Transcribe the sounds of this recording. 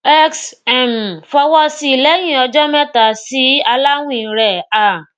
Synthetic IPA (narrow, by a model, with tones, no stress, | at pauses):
ɛ˦ksɛ˦˨mfɔ˧wɔ˦si˧˦˨lɛ˨˦j̃ĩ˦˨ɔ˧d͡ʒɔ˦mɛ˦ta˨si˨˦a˧la˦w̃ĩ˦˨˦ɾɛ˨a˨